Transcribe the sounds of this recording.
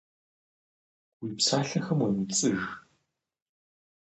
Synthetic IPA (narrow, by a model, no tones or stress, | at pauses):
wiːpsaːɬɐxɐmwɐmɨt͡sʼɨʒ